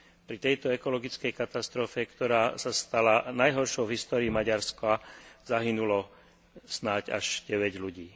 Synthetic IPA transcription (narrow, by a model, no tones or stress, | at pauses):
pɾit̪ɛjt̪ɔɛkɔlɔɡit͡skɛjkat̪ast̪ɾɔfɛkt̪ɔɾaːsast̪alanajɦɔɾʃɔʊvɦist̪ɔːɾiːmaɟaɾskazaɦinulɔ | snaɟa̰ʒ̥ɟɛʋɛɟluɟiː